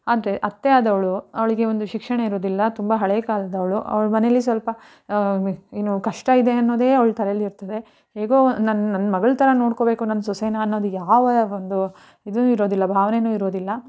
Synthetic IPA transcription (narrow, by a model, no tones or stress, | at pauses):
aːd̪ɐɾeʔɐt̪ːeaːd̪ɐʋɐɭuɐʋɐɭiɡe̞o̞nd̪uʃikʂɐɳɐiɾo̞ːd̪ilːɐt̪umbɐɦɐɭeːkaːlɐd̪ɐʋɐɭuʔɐ̰ʋɐɭmɐnelːisʋɐlpɐ | inːukɐʂʈɐid̪e̞ɐnːo̞ːd̪eːɐʋɐɭt̪ʰɐɾelːiiɾt̪ɐd̪e̞ | he̞ːɡoːnɐnːɐnːmɐɡɐɭt̪ʰɐɾɐno̞ːɽko̞be̞ːkunɐnːɐsɔseːnɐːnːo̞ːd̪ujaːʋɐond̪u | id̪unuːiɾo̞ːd̪ilːɐbʱaːʋɐne̞nuːiɾo̞ːd̪ilːɐ